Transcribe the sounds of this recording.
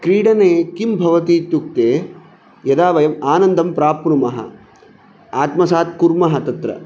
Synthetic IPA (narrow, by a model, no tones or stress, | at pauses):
kɾiːɽɐneːkimbʱɐʋɐt̪iːt̪uk̚t̪eː | jɐd̪aːʋɐjɐmaːnɐnd̪ʱɐmpɾaːpɳumɐɦɐ̰ | aːt̪mɐsaːt̪̚kuɾmɐɦɐt̪ɐt̪ɾɐ̰